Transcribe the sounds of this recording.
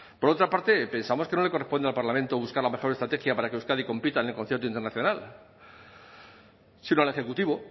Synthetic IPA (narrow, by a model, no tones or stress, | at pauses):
po̞ɾo̞t̪ɾapaɾt̪e̞pe̞nsamoke̞no̞le̞ko̞respo̞nd̪alpaɾlament̪oβuskaɾlame̞xo̞ɾest̪ɾat̪e̞xjapaɾakeuskaðiko̞mpit̪aenelko̞nθjeɾt̪oint̪enaθjo̞nal | sinoale̞xe̞kut̪iβo